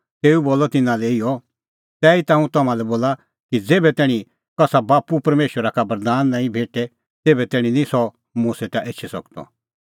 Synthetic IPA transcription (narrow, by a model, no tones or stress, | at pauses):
t̪eːuboːlɔt̪ɪnãlɛɪɔ | t̪ɛːit̪ãːũt̪ɐmãlɛboːla | kid͡zeːbɛt̪ɛːɽ̃ĩ | kɐsabaːpupɐɾmeːʃwəɾakabɐɾd̪aːnːãːĩbʱeːʈɛ | t̪eːbɛt̪ɛːɽ̃ĩnĩsɔ | mũːset̪aʔeːt͡ʃʰisɐ̰kt̪ɔ̰